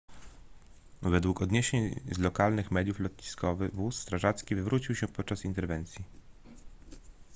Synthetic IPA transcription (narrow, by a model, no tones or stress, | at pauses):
vɛd̪wukɔd̪ɲeɕeɲzlɔkalnɘxmɛd̪ʲjuflɔt̪ɲiskɔvɘɣvusːt̪ɾaʐat̪skʲivɘvɾut͡ɕiwɕɛpɔt̪̚t͡ʂasint̪ɛɾvɛnt̪sʲji